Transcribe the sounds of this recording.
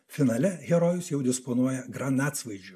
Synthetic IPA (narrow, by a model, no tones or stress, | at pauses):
fʲɪnɐlʲɛɣʲɛɾoːjʊsjɛʊd̪ʲɪsponuɔjɛɡɾɐnɑːt̪sʋɐɪd͡ʒʲʊ